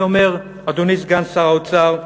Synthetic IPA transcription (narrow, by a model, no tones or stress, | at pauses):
omeʁ | ad̪unisɡansaʁaut͡saʁ